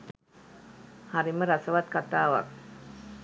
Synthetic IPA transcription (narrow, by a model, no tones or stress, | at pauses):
haɾiməɾasawat̪̚kat̪awa̰k̚